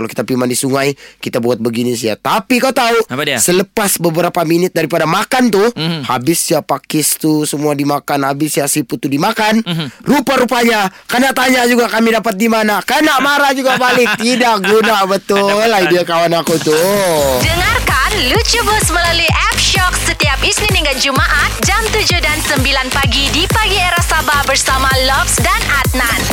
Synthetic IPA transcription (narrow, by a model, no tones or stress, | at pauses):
kalowki̥t̪apimandisuŋajkit̪abuat̪̚bəɡinisia̰t̪apikat̪ausələpasbəbəɾapaminɪt̪̚daɾipadamakant̪uhabɪsjapakɪst̪usəmuadimakanhabɪsjasiput̪ːudimakanrupaɾupaɲakanaʔt̪aɲad͡ʒuɡakamidapat̪̚dimanakənaʔmaɾad͡ʒuɡapalɪŋt̪idak̚ɡunabət̪ʊlahidiakawanakut̪udəŋarkanlut͡ʃubʊsməlaluiʔɛp̚ʃɔksət̪iapisniniŋɡad͡ʒumaʔat̪̚d͡ʒamt̪ud͡ʒudansəmbilanpaɡidipaɡieɾasabahbərsamalɔfsdanat̪̚nan